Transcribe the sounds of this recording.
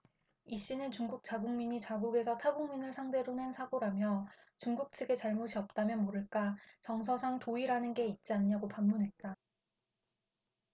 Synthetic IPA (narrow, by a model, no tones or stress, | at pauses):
iɕ͈inɯnt͡ɕuŋɡuk̚t͡ɕ͈aɡuŋmiɲit͡ɕaɡuɡe̞sʰʌtʰaɡuŋminɯɭsʰaŋde̞ɾonensʰaɡoɾamjʌ | t͡ɕuŋɡuk̚t͡ɕʰɯɡe̞t͡ɕaɭmoɕʰiʌp̚t͈amjʌnmoɾɯɭk͈at͡ɕʌŋsʰʌsʰaŋtoiɾanɯnɡe̞it̚t͡ɕ͈iaɲːaɡopamːunɦe̞t̚t͈a